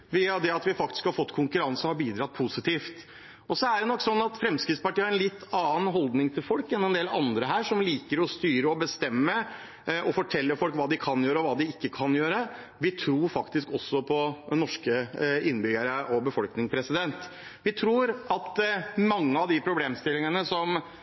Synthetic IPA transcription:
ʋiːɑd̪ɛɑt̪ʋɪfɑk̚t̪ɪ̥skhɑɾfɔt̪ːkʰʊŋkʉɾɑnsəhɑɾbiːd̪ɾɑt̪̚ːpʰusɪt̪ʰiːft̪ | ɔsɔæɖɛnɔkːsɔnːɑt̪fɾɛmskɾɪt̪spɑʈiːəhɑɾɛnlɪt̪ʰːɑːənɦɔld̪nɪŋt̪ʰɪlfɔlkɛnɛnd̪eːlɑ̰nd̪ɾəɦæːʂɔmliːkəɾɔst̪yːɾəɔbəst̪ɛmːə | ɔfɔʈʰɛlːəfɔlkʋɑːd̪ɪkʰɑnjøːɾəɔʋɑːd̪ɪɪkːəkʰɑnjøːɾə | ʋɪt̪ʰɾuːɾfɑkt̪ɪskɔsːɔpʰɔnɔʂkəɪnːbʏɡəɾəʔɔbəfɔlknɪŋpʰɾɛsɪd̪ɛnt̪ | ʋɪt̪ʰɾuːɾʔɑt̪mɑŋːəɑʋd̪ɪpʰɾʊbleːmst̪ɪlːɪŋənəsɔm

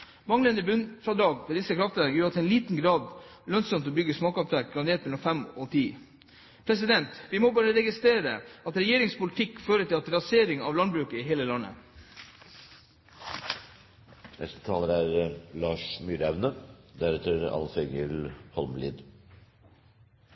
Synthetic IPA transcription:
mɑŋlənəbʉnfɾɑd̪ɑːɡfʰɔd̪ɪsəkʰɾɑft̪ənəjuːɾɑt̪ʰɛɪnliːt̪n̩ɡɾɑːd̪lœnsɔmt̪ɔbʏɡəsmɑːkɑt̪ʋæɾk̚ɡɾɑneːt̪mɛlɔm̩fɛmɔt̪ʰiː | pʰɾɛs̬ɪd̪ɛnt̪ʋɪmɔbɑːɾəɾɛɡɪst̪ɾeːɾə̰ɑt̪ɾɛjeːɾɪŋspʊlɪt̪ʰɪkːføːɾət̪ʰɪlɑt̪ɾɑseːɾɪŋɑʋlɑnbɾʉːkəɪɦeːləlɑnːə̰ | nɛ̰st̪ə̥t̪ʰɑːləɾæɾlɑːʂmyːɾæʋnəd̪æɾɛt̪ʰəɾɑ̰lfɛɡəlhɔlmlḭːd̪

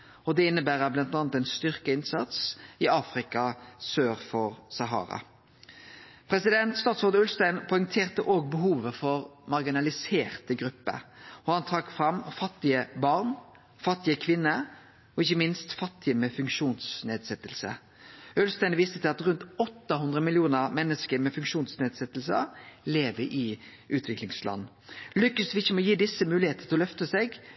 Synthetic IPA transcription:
ɔd̪ɛɪnːəbæːʁəblɑnt̪ɑːnət̪ɛɪnst̪ʏʁkəɪnsɑt̪sɪɑːfʁɪkɑsøːʁfɔʁsɑɦɑ̰ːɾɑ̰ | pʰʁɛsɪd̪ɛnt̪st̪ɑːt̪sɔʁd̪ʉlst̪æɪnpʰɔɪŋt̪ʰeːʁt̪əʔoːɡ̚bəɦuːʋəfɔʁmɑʁɡɪnɑlɪseːʁt̪əɡʁʉpːə̰ɔhɑnt̪ʰʁɑkfʁɑmfɑt̪ːɪəbɑʁn | fɑt̪ːɪəkʰʋɪnːə | ɔɪçːəmɪnst̪fɑt̪ːɪəmɛfʉŋkʃuːnsneːd̪sɛt̪ːəlsə̰ | œlst̪ɛnʋiːst̪ət̪ʰɪlɑt̪ɾʉnt̪ɔt̪ːɑɦʉnd̪ʁəmɪlɪuːnəʁmɛnːəskəɾmɛfʉŋkʃuːnsneːd̪sɛt̪ːəlsə̰leːʋəɾʔɪ | ʔʉːt̪ʰʋɪklɪŋslɑ̰n | lʏkːəsʋɪɪçːəmɔjiːd̪ɪsːəmʉːlɪheːt̪ət̪ʰɪlɔlœft̪əsɛɡ

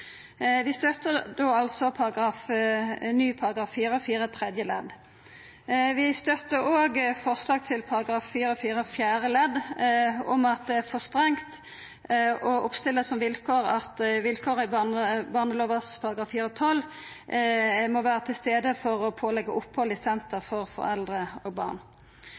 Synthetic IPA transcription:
ʋɪst̪œt̪əʁd̪oːɑlsɔpʰɑʁɑɡɾɑːf | nyːpʰɑɾɑɡɑːfːiːɾəɔfiːɾət̪ʰʁɛd̪jəlɛ̰d̪ | ʋɪst̪œt̪ːəoːɡfɔʁslɑːɡ̚t̪ʰɪlpʰɑɾɑɡɾɑːfːiːɾəɔfiːɾəfjæːɾəlɛd̪ | ɔmɑt̪̚d̪ɛæfɔst̪ʁɛŋt̪ | ɔʊpst̪ɪlːəsɔmʋɪlkʰoːʁɑt̪ʋɪlkʰoːʁəɪbɑnəbɑʁnəloːʋəspʰɑʁɑɡɑːfiːɾəɔt̪ʰɔl | mɔʋæːʁət̪ʰɪlst̪eːd̪əfɔɾɔpʰoːlɛɡːəʔʊpːhɔlɪsɛnt̪əʁfɔʁfɔ̰ɾɛ̰ld̪ʁəo̰ːɡ̚bɑ̰ːʁn

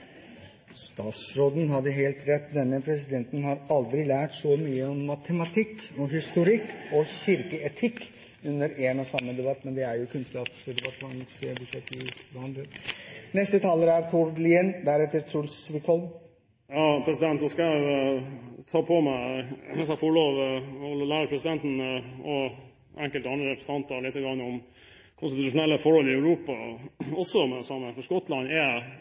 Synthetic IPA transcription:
st̪ɑːt̪sɾoːd̪n̩ɦɑd̪əɦeːlt̪ɾɛt̪ːd̪ɛnːəpʰɾɛs̬ɪd̪ɛnt̪ənhɑɾɑld̪ɾɪlæːʈsɔmyːəɔmːɑt̪ʰəmɑt̪ʰɪkːɔɦɪst̪ʊɾɪkːɔɕʏɾkəɛt̪ʰɪkː | ʉnːəɾeːnɔsɑmːəd̪ɛbɑt̪ːmɛnd̪ɛæɾjʊkʰʉnskɑːpsd̪ɛbɑt̪ːmɑŋsebʉʂɛt̪ːɪʋɑnd̪ɾənɛst̪ət̪ʰɑːləɾæɾt̪ʰuɾliənd̪æɾɛt̪ːəɾt̪ʰɾulsʋɪk̪hɔlm | jɑːpʰɾɛsɪd̪ɛnt̪ɔskɑɛ | t̪ʰɑːpʰɔmæɪsɑfɔɭoːʋhɔlɔlæːɾəɾpʰɾɛsɪd̪ɛnt̪nɔ | ʔɛŋkəlt̪ɑnɾəɾɛpʰɾəst̪ɑnt̪ɑlɪt̪ːəɡɾɑŋːəɔm | kʰʊnst̪ɪt̪ʉʂʊnɛlːəfɔɾhɔlɪœʉɾuːpɑɔsːɔmɛsɑmːəfɔʂkɔt̪ːlɑnɛ

